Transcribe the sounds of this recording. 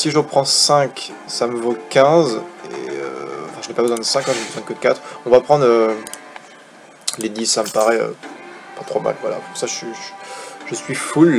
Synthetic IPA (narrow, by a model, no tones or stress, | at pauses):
siʒuʁpχɑ̃sɛ̃k | saməvokʲɛ̃zḛø̰ɑ̰̃fɛ̃ʒənepabəzwɛ̃d̪əsɛ̃kɑ̃ʒənebəzwɛ̃d̪əkəd̪əkat̪χɔ̃vapχɑ̃d̪ʁø | led̪isːaməpaʁɛø̰pat̪χoma̰lvwala̰puʁsaʒsɥi | ʒ̥əsɥiful